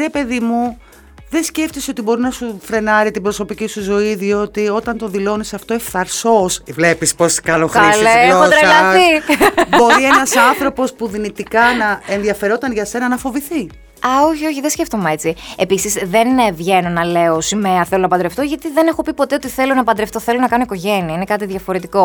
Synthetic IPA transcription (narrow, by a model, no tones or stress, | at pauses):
ɾe̞pe̞ðimu | ðesce̞ft̪iseot̪ibo̞ɾinɐsufɾe̞nɐɾit̪ibɾo̞so̞picisuzo̞iðio̞t̪io̞t̪ɐnt̪o̞ðilo̞nisɐft̪o̞efθɐɾsosvlepisposkɐloxkɐlexot̪ɾɐlɐθibo̞ɾienɐsɐnθɾo̞po̞spuðinit̪ikɐnɐenðiɐfe̞ɾo̞t̪ɐnʝɐse̞nɐnɐfo̞viθi | ɐoçio̞çiðesce̞ft̪o̞meet͡sie̞pisizðe̞nvʝe̞no̞nɐle̞osimeɐθelonɐpɐnd̪ɾeft̪o̞ʝɐt̪iðe̞ne̞xo̞pipo̞t̪e̞ot̪iθe̞lo̞nɐpɐnd̪ɾeft̪oθelonɐkɐnoiko̞ʝe̞niɐinekɐt̪iðʝɐfo̞ɾet̪iko̞